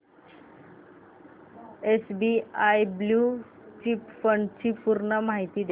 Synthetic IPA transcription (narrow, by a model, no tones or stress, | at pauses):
esbiajblu | t͡ɕipfəɳɖt͡ɕipuɾnamaɦit̪iːd̪e